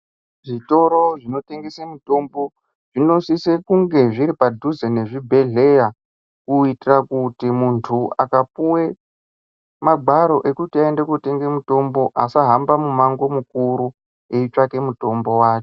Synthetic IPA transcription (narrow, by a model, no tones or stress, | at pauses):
ʐito̞ɾoʐino̞te̞ŋɡesemuto̞mbo̞ | ʐino̞sisekuŋɡe̞ʐiɾipadʱuzene̞ʐibʱe̞ɮe̞ja | kuitirakutimuntʰua̰kapuwe | maɡʱaɾo̞ʔe̞kutiaende̞kute̞ŋɡe̞muto̞mbo̞ʔasaɦambamumaŋɡo̞mukuɾu | eit͡ʂake̞muto̞mbo̞waːke